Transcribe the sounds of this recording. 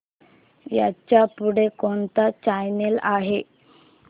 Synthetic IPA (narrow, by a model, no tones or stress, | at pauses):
ja̰t͡ɕapuɽekoɳt̪at͡ɕajnelaɦe